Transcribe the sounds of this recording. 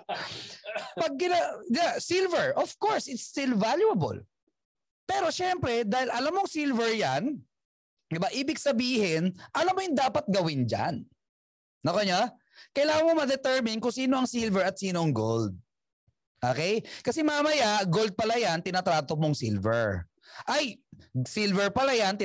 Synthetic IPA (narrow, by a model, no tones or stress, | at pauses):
pɐɡ̚kɪnɐd̪ɪasɪlvɛɹʔofkoɹsɪt̪st̪ɪlvaljʊɐbo̰l | pɛːɾo̞ʃɛmpɾɛd̪aːhɪlʔɐlamːoɐŋsilvɛɹjan | d̪ɪbaʔiːbɪɡ̚sɐbiːhɪnʔɐlɐmːojʊŋd̪aːpɐt̪̚ɡɐwɪnd͡ʒa̰n | nɐkɐɲa | kɐjlaːŋɐnmomɐd̪ɛt̪ɛɹmɪnkʊŋsiːnoɐŋsilvɛɹɐt̪̚siːnoɐŋɡo̰ld̪̚ | ʔo̰ːkɛjkɐsɛmamɐjaɡold̪̚pɐlajant̪ɪnat̪ɾaːt̪omoŋsḭlvɛ̰ɹ | ʔɐjsɪlvɛɹpɐlajant̪ɪ